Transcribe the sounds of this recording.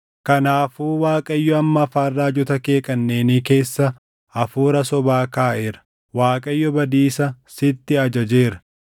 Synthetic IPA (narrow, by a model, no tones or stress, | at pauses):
kɐnaːfuːwaːkʼɐjːɔɐmːɐːfaːrːaːd͡ʒʊt̪ɐke̞ːkʼɐnːe̞ːniːke̞ːsːɐ | ɐfuːɾɐsɔbaːkaːʔeːɾɐ̥ | waːkʼɐjːɔbɐd̪iːsɐsɪt̪ːɪɐd͡ʒɐd͡ʒe̞ːɾɐ̥